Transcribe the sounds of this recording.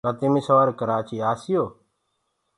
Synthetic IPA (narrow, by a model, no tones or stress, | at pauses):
kət̪imisəʋaːɾkəɾaːt͡ʃiːaːsɪjoː